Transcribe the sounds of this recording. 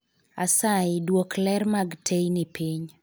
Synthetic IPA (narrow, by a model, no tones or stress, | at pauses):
asaɪdwoklɛrmaɡtʰejnipʰiɲ